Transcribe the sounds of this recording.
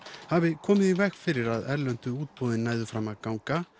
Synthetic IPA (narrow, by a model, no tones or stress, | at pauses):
havɪkʰɔːmɪðivɛxfɪɾɪɾaðɛɾlœnt̪ʏuːt̪̚poːwðɪnːaːjðʏfɾamaðkawŋka